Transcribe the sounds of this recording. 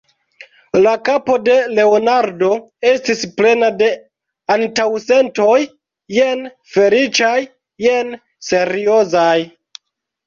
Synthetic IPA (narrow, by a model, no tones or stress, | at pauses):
lakapo̞de̞le̞onaɾdo̞ | e̞stisple̞nade̞ | antawse̞nto̞jː | en | fe̞lit͡ʃajː | en | se̞ɾio̞zaj